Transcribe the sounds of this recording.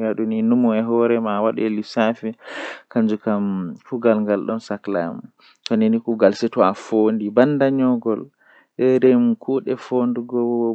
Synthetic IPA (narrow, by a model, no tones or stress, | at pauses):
aɗuninumuɛɦɔɾɛmawaɗɛelisafɛkand͡ʒukamkuɡalŋɡalɗɔnsakla̰mu | tɔninikuɡalsɛtɔafondibanːdaɲɔɡɔl | ɛɾɛmkʰuɗɛfonduɡɔ